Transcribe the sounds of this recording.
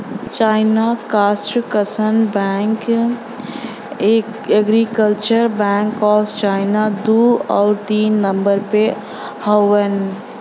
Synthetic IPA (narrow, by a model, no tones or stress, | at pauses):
t͡ʃaɪnakasʈkəsənbɛŋk | ek | eɡɾikəlt͡ʃəɾbɛ̃ŋkɔːst͡ʃaɪnad̪uɔʊɾt̪iːnːəmbəɾpe | hɔwən